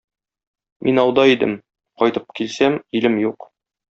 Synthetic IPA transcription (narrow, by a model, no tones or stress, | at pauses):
mʔinɒwd̪ɑid̪ɘ̰m | qɒjt̪ɤp̚kilsæmilɘmjuq